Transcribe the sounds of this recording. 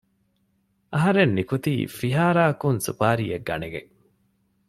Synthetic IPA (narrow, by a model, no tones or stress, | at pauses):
ʔɐɦɐɾenːikut̪ḭːfiɦaːɾaːkunsṵpaːɾieɡːɐ̰neɡḛ